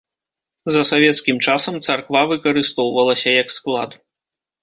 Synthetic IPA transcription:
zɐsavʲɛt̪skʲimt͡ʂasɐmt̪sarkvavɨkɐɾɨst̪ɔwvɐlˠɐsʲɐjɐksklˠa̰d̪

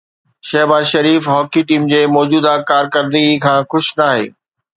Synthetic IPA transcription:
ʃɐɦbaːzʃɐɾiːfɦɔːkiʈiːmd͡ʑeːmɔːd͡ʑuːd̪akaːɾkɐɾd̪ikʰãːxʊʃnaːɦḛː

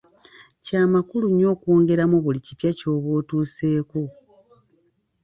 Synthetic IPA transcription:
caːmakuluɲːo̞ːkoːŋɡe̞ɾamuβulicipjaco̞ːβo̞ːtuːse̞ːko̞

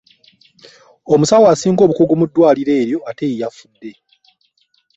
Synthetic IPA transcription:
o̞musawasiːŋɡo̞ːβukuɡumudːwaːliɾe̞ːɾjo̞ate̞ijafudːe̞

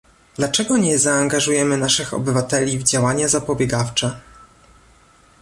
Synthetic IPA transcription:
d̪lat͡ʂɛɡɔɲɛzaːŋɡaʐujɛmɘnaʂɘxɔ̰bɘvat̪ɛlʲivd͡ʑawaɲazapɔbʲjɛɡaft͡ʂɛ

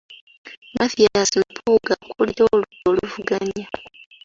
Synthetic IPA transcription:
maθijaasilupʰuːɡakulioluoluvuɡaɲa

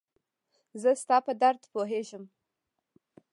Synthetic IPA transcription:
zəst̪ɑpəd̪aɾd̪poɦeʒəm

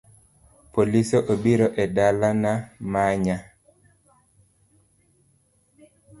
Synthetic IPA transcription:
polisoʔobiɾɔʔɛdalanamaɲa

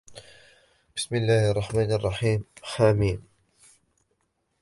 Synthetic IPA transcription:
b̥ɪsmɪlːaːhʔɑrˤːɑħmaːnʔɑrˤːɑħiːmħaːmiːm

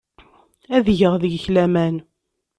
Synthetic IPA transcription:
æðʝəʁðəɡçlæmæn

